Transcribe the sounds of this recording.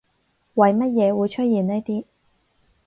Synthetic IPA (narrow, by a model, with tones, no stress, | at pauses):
wɐ˨jmɐ˥t̚jɛː˨˧wuː˨˧jt͡ʃʰɵ˥t̚jiː˨ne˥jt̪iː˥